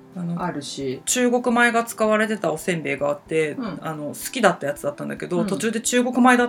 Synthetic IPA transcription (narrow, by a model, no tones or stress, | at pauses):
ano̞aɾɯ̟ɕit͡ɕɨːɡo̞kɯ̟mae̞ɡat͡sɨ̥kaβaɾe̞t̪e̞t̪ao̞sẽ̞mbe̞ːɡaːt̪ːe̞ano̞sɨ̥kʲid̪at̪ːajat͡sɨd̪at̪ːãnd̪ake̞d̪ot̪o̞t͡ɕɨːd̪e̞t͡ɕɨːɡo̞kɯ̟mae̞d̪a